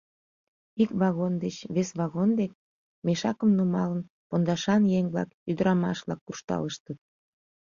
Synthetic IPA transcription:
ikβɑɣond̪et͡ɕβesβɑɣond̪ek̚ | meʃɑkəmnumɑlən | pond̪ɑʃɑnjeŋβlɑ̰kyd̪əɾɑmɑ̰ʃβlɑ̰kːuʃt̪ɑ̰ləʃt̪ət̪̚

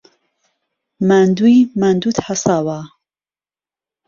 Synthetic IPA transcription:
mand̪ujmand̪ut̪ħasaːwa

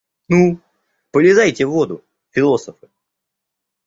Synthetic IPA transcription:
nu | pəlʲɪzajtʲɪvːo̞d̪ʊ | fʲɪlˠo̞səfɨ

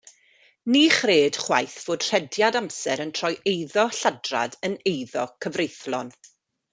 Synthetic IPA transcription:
niχreːd̥χwajθv̥oːd̥r̥ɛdjadamsɛɾəntʰr̥ɔjʔejðɔɬadra̰dənejðɔkʰəvrejθlˠɔn

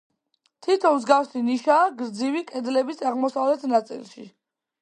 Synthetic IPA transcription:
t̪ʰit̪ʰɔmzɡafsiniʃaːɡɾd̪zivikʼɛd̪lɛbisaʁmɔsavlɛt̪ʰnat̪sʼḭlˠʃḭ

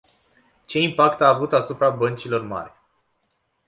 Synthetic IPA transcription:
t͡ʃe̞impakt̪aːvut̪asupɾabənt͡ʃilo̞rma̰rʲ

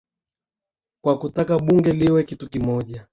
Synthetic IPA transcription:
kwakutakaɓuŋɡɛliwɛkitukimɔʄa

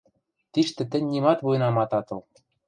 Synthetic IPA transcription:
t̪iʃt̪ɘ̆t̪ɘ̆nʲnimɑt̪βujɤ̆nɑmɑt̪ɑt̪ɤ̆lˠ

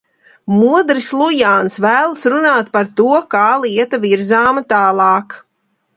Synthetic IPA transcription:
muɔd̪ɾislˠujaːnsvæːlˠəsɾunaːt̪paɾt̪uɔkaɑːlˠiɛt̪aviɾzaːmɐt̪ɑːlˠɑːk

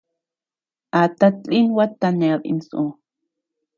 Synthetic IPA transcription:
ʔat̪at̪t͡ɬinwat̪ːaneabḭnsʔu

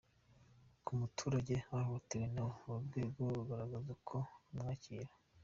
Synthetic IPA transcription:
kʰumutʰuːɾaɟe̞hahotiɾenaβubɡe̞ːɡoβuɡaɾaɡazakʰo̞mŋaːciːɾa

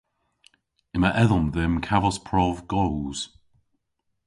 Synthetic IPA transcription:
ɪmaʔɛðɔmðɪmkʰavɔspʰɹɔvɡɔwz̥

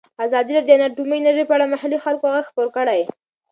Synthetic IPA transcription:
azɑd̪iɾɑd̪əenaʈumənaɾʒəjpəaɽamahalixalkoaɣaɡxpoɾkəɽaj

